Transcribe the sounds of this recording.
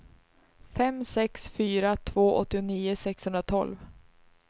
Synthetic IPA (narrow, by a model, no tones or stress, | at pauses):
fɛmsɛksfyːɾat̪ʰv̥oːʔɔt̪ːɪʊniːʊsɛkshɵnd̪ɾat̪ʰɔlv